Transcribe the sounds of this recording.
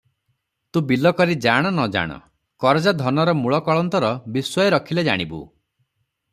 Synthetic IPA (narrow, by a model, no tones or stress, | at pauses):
t̪ũbilɔkɔɾid͡ʒaɽ̃ɔnɔd͡ʒa̰ɽ̃ɔ̰ | kɔɾɔd͡ʒad̪ʱɔnɔɾɔmuɭɔkɔɭɔnt̪ɔɾɔbiswɔjɔɾɔkʰiled͡ʒa̰ɽ̃ibṵ